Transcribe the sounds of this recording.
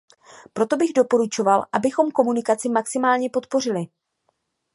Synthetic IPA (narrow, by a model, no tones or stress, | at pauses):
pɾo̞t̪o̞bɪɣdo̞po̞ɾut͡ʃo̞valʔabɪxo̞mko̞munɪkat͡sɪmaksɪmaːlɲɛpo̞t̪po̞rɪlɪ